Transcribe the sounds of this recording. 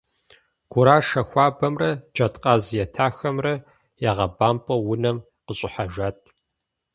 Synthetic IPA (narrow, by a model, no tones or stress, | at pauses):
ɡ̥ʷʊɾaːʂɐxʷaːbɐmrɐd͡ʒɐtqʼɑːzjɛtʰaːxɐmrɐ | jaʁɐbaːmpʼɐwʊnɐm | qəɕʼʊħaʒatʰʼ